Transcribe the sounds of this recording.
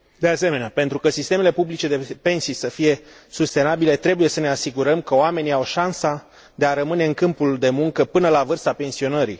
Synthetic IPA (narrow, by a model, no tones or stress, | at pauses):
d̪e̞ase̞me̞neapent̪ɾukəsist̪e̞melepublit͡ʃe̞d̪e̞pe̞nsijsəfije̞ | sust̪e̞nabile̞t̪ɾe̞buje̞səne̞asiɡuɾəmkəoame̞niawʃansa | d̪e̞aɾəmɨne̞ɨŋkɨmpuld̪e̞muŋkəpɨnəlavɨrst̪ape̞nsio̞nəɾḭ